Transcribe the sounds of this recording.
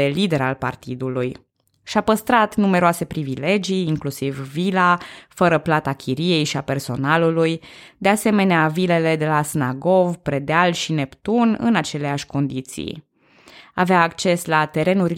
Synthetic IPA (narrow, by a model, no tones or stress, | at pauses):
elid̪e̞ɾa̰lpa̰rt̪id̪uluj | ʃapəst̪ɾat̪nume̞ɾoase̞pɾivile̞d͡ʒijːŋklusivːilafəɾəplat̪akʲiɾije̞jʃiape̞rso̞nalulujd̪e̞ase̞me̞neavile̞le̞d̪e̞lasnaɡo̞vpɾe̞d̪ealʃine̞pt̪unɨ̰nat͡ʃe̞leaʃʲko̞nd̪it̪sḭj | a̰veaːkt͡ʃe̞slat̪e̞ɾe̞nuɾʲ